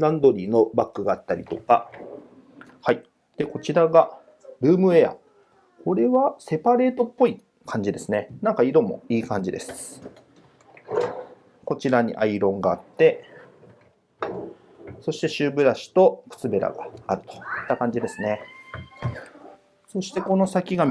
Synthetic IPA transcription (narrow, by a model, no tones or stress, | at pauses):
nãnd̪o̞ɾʲiːno̞bakːɯ̟ɡaːt̪ːaɾʲit̪o̞ka | hai | d̪̥e̞ko̞t͡ɕiɾaɡa | ɾɯ̟ːmɯ̟e̞ja̰ | ko̞ɾe̞βase̞paɾe̞ːt̪o̞pːo̞i | kʰãɲ̟d͡ʑid̪e̞sɨnenãŋkaid̪o̞mo̞̰iːkãɲ̟d͡ʑid̪e̞sɨ̥ | ko̞t͡ɕiɾaɲ̟ḭʔaiɾõ̞ŋɡaːt̪ːe̞ | so̞ɕi̥t̪e̞ɕɨːbɯ̟ɾaɕi̥t̪o̞kɯ̟̥t͡sɨbe̞ɾa̰ɡa̰ːɾɯ̟̥t̪o̥it̪ːakãɲ̟d͡ʑid̪e̞sɨne̞ | so̞ɕi̥t̪e̞ko̞no̞sakʲiɡa